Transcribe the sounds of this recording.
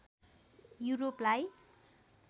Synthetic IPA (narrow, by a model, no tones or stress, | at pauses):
juɾoplaj